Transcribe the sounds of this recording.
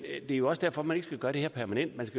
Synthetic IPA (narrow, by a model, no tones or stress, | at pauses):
d̥e̝æɐjo̝ɒ̽sd̥æɐ̰fɒ̽mæne̝ɡ̥sɡ̥æɡ̥ɶːɐɾ̥ehḛɐ̰pʰæɐmænen̰d̥mænsɡ̥æ